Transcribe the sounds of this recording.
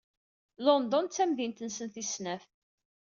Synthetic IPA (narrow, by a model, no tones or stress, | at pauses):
lɔnd̪ɔnt͡sːæmðint̪ənsənθisnæf